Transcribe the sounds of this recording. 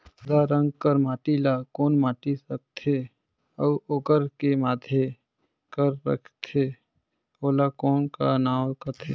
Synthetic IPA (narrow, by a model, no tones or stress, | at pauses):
d̪aɾə̃ŋɡkəɾmaːʈilakoːnmaːʈisək̚t̪ʰe | əuoɡəɾkemaːd̪ʱje | kəɾːə̰kʰt̪ʰe | oːlakɔːnkanaːwkət̪ʰe